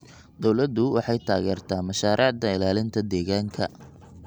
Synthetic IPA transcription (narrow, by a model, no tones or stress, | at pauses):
d̪ɔwlɐd̪ːʊwɑ̰ħɑjt̪ʰaːɣɛːrt̪ʰaːmɐʃaːɾʔɑːʕd̪ɐɪlaːlɪnt̪ʰɐd̪ɛːɣaːŋkʰɐ